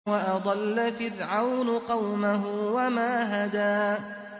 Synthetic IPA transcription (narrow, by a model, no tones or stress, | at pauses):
waʔɑd̪ˤɑlːafɪrʕawnʊqɑwmaɦʊwamaːɦad̪aː